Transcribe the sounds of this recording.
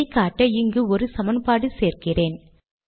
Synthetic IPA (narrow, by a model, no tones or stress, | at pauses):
ɪkaːʈːɐɪŋɡɯɔɾɯsɐmɐnpaːɽɯseːrkɪreːn